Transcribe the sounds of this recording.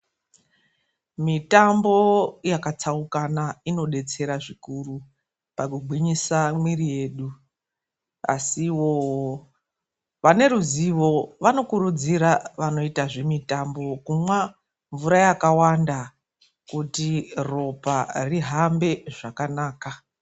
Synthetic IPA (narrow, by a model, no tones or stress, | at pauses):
mitambo̞jakat͡saukanaino̞ɗe̞t͡se̞ɾaʐikuru | pakuɡʱwiɲisamwirije̞ːɗu | a̰siwo | ʋane̞ɾuziʋo̞ʋano̞kuɾud͡ziɾaʋano̞itaʐemitambo̞kumwa | ɱvuɾajakawanda | kutiro̞pariɦambe̞ʐakanaːka